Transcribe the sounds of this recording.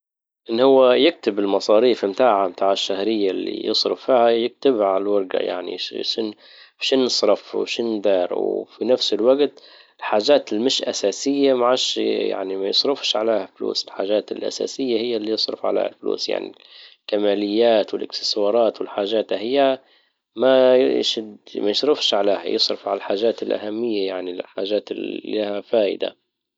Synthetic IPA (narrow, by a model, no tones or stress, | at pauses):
ʔɪnːhʊwːajɪk̚t̪ɪbɪlmɑsˤɑːɾiːfɪmt̪aːʕamt̪aːʕɪʃːahɾɪjːalːḭjɨsˤɾɪfːiːhajɪk̚t̪ɪbalalwɑɾˤɡa̰ja̰ʕnḭʃɪn | fʃɪnːɨsˤɾɑfwʃɪnːd̪ɑːɾwfinafsɪlwaɡt̪ | ɪlħaːʒaːt̪ɪlmɪʃʔa̰saːsɪjːamaʕaʃja̰ʕnimajɪsˤɾʊfʃʕa̰leːhaflṵːsɪlħaːʒaːt̪ɪ̰lʔa̰sa̰ːsɪjːahɪjːalːijɨsˤɾɪ̰fʕa̰lḛːha̰lflṵːsja̰ʕnḭlkamaːlɪjːaːt̪wɪlʔɪksɪ̥swɑːɾˤɑːt̪wɪlħaːʒaːt̪ahɪjːa | maʃɪd̪majɪʃɾɪfʃʕaleːha̰jɨsˤɾɪfʕalalħaːʒaːt̪ɪlʔa̰hamːɪjːajaʕniħaːʒaːt̪ɪahafaːʔɪ̰d̪a̰